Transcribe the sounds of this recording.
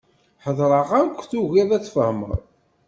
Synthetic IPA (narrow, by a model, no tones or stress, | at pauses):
ħəðˤɾˤəʁakʷːθuʝiðæt͡sːfəhmə̰ðˤ